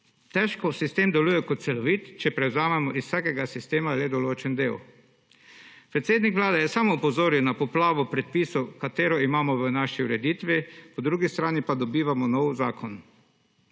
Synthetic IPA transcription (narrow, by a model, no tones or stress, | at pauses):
t̪ɛʃkɔsist̪eːmd̪ɛluːjɛkɔt̪t̪sɛlɔʋiːt̪t͡ʃɛpɾɛwzaːmɛmɔʔissaːkɛɡasist̪eːmaled̪ɔloːt͡ʃɛnd̪eːw | pɾɛt̪seːd̪nikʋlaːd̪ɛjɛsamɔpɔzoːɾjiwnapɔplaːʋɔpɾɛt̪̚piːsɔwkat̪eːɾɔimaːmɔʋənaʃiuɾɛd̪iːt̪ʋipɔd̪ɾuːɡist̪ɾaːnipad̪ɔbiːʋamɔnɔwzaːkʰɔn